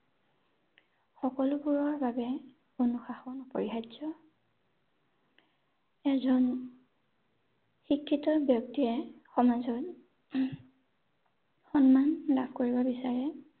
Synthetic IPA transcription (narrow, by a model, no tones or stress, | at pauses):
xɔkɔlubuɹɔɹbabɛ | onuxaxɔnupɔɹiɦazɔ | ɛzɔn | xikʰːitɔbjɔk̚tiɛxɔmazɔt | xɔnmanlabʱkoɹibɔbisaɹɛ